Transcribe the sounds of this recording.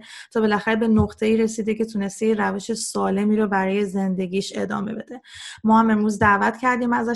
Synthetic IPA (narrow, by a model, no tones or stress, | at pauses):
t̪ʰɒːbe̞læxæɾebe̞noqt̪ʰe̞iːɾe̞siːd̪ecʰe̞t̪ʰune̞st̪ejeɾæve̞ʃesɒːle̞miːɾobæɾɒːje̞ze̞nd̪e̞ɟʲiːʃe̞d̪ɒ̰ːme̞be̞d̪e̞mɒːhæme̞mɾuːzd̪ævæt̪cʰæɾd̪iːmæzæ